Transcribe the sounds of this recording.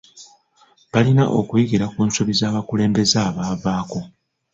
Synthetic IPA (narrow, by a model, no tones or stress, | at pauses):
βalinaʔo̰kwiɡiɾakuːnsuβizaːβakule̞ːmbe̞zaːβaːvaːko̞